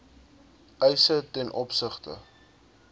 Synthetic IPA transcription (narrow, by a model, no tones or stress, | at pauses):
ʔəjsətɛnʔɔpsəχtə̰